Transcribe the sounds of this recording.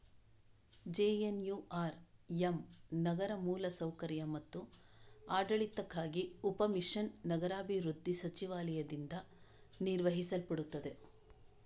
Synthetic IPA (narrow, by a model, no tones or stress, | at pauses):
d͡ʒeːjenjuːaːɾjemnɐɡɐɾɐmuːlɐsɐwkɐɾjɐmɐt̪ːu | aːɖɐɭit̪ːɐkːaːɡiupɐmiʂɐnːɐɡɐɾaːbʱiʋɾud̪ʱːisɐt͡ʃiʋaːlɐjɐd̪ind̪ɐ | niɾʋɐɦisɐlpɐɽut̪ːɐd̪e̞